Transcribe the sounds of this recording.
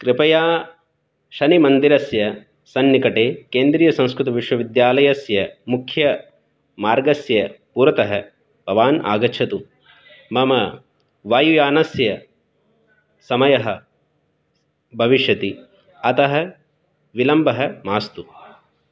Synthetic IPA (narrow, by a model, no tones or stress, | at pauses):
kɾɪpɐjaː | ʃɐnimɐnd̪iɾɐsjɐ | sɐnːikɐʈeːkeːnd̪ɾiːjɐsɐ̃w̃skɾut̪ɐʋiʂwɐʋid̪jaːlɐjɐsjɐmukʰjɐ | maːɾɡɐsjɐpuːɾɐt̪ɐɦɐ | bʱɐʋaːna̰ːɡɐt͡ʃʰɐt̪u | mɐmɐ | ʋaːjujaːnɐsjɐ | sɐmɐjɐɦɐ | bʱɐʋiʃjɐt̪i | ɐt̪ɐɦɐ̆ | ʋilɐmbʱɐɦɐmaːst̪u